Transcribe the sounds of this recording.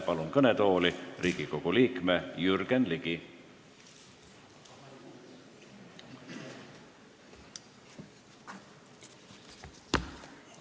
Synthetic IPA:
pɑlunkɤnet̪o̞ːliriːɡ̥iko̞ɡ̥uliːkmejyrɡ̥enliɡ̥i

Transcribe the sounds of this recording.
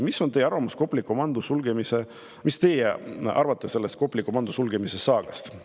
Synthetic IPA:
misːo̞nejeɑɾvɑmusko̞pːˑlikːˑomɑnd̪̥usulɡ̥emise | mist̪e̞jeʔɑ̰ɾvɑt̪ˑːese̞lːe̞st̪̚ko̞pːˑlikːˑumɑnd̪usulɡ̥e̞mise̞sɑːɡ̥ɑst̪

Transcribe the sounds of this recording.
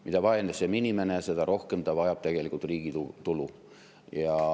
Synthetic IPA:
mid̪ɑvɑend̪eseminime̞nese̞d̪̥ɑɾo̞hke̞mt̪ɑvɑjɑb̥t̪e̞ɡ̥e̞likˑult̪riːɡ̥iut̪ulu | jɑ

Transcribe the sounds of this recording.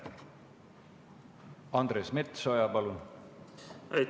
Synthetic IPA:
ɑnd̪̥ɾesmet̪sojɑpɑlun | ɑj

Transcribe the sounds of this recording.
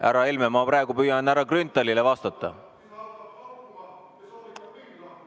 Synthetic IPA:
ʔæɾɑelmemɑprɑeɡ̥upyːjɑnæɾɑkrynt̪ːˑɑlilevɑst̪ɑt̪ːˑɑ̰

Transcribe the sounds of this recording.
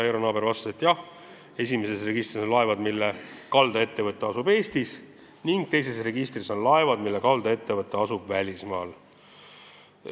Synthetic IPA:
eɾonɑːbe̞ɾvɑst̪set̪jɑh | e̞s̬ʲimese̞sre̞ɡist̪riso̞nlɑe̞vɑd̪milːekɑld̪ɑe̞t̪ːe̞vɤt̪ˑːeɑsube̞ːst̪is | niŋɡ̥̚t̪e̞js̬e̞sre̞ɡist̪riso̞nlɑe̞vɑd̪̥milːekɑld̪̥ɑe̞t̪ːe̞vɤt̪ːˑeɑsub̥vælʲismɑːl

